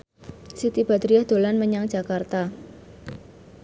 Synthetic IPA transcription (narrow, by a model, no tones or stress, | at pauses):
sit̪ib̥ad̪ɾijahd̪̥o̤lanməɲaŋd͡ʒ̥a̤kart̪a